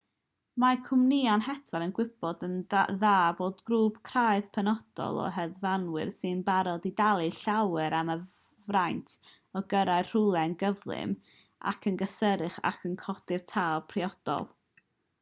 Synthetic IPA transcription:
makʰʊmnianɦɛθvɛlˠənɡwɪbɔdənðaːboːdɡɾuːb̥kʰr̥aɨð̥pʰɛnɔd̥ɔ̰lˠɔ̰ɦɛðvanwɪ̰rsɨnbaɾɔdidalˠɨɬawɛɾamə | vrajntʰ | ɔɡəɾaɨr̥ʊlˠɛnɡəvlˠɪ̰m | a̰kʰənɡəsəɾɨχa̰kʰənkʰɔdɪrtʰaːlˠpʰriɔd̥ɔ̰lˠ

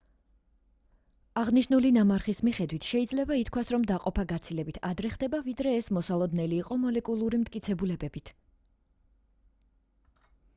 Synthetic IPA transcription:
aʁniʃnulinamaɾχismiχɛd̪wit̪ʰʃɛid̪zlɛbait̪ʰkʰwasɾɔmd̪aqʼɔpʰaɡat̪sʰilɛbit̪ʰad̪ɾɛχd̪ɛbavid̪ɾɛːsmɔsalˠɔd̪nɛliːqʼɔmɔlɛkʼulˠuɾimt̪ʰkʼit̪sʰɛbulɛbɛbit̪ʰ

